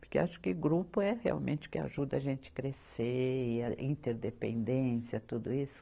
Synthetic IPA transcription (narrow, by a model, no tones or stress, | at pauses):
poɾkḛaʃʊ̥kɪɡɾupʊɛhea̰wmḛ̃t͡ʃɪ̥kɪa̰ʒud̪ɐɐʒẽnt͡ʃɪ̥kɾeseɐĩnt̪eɾd̪epḛ̃nd̪ẽsjɐt̪ud̪ʊisʊ̥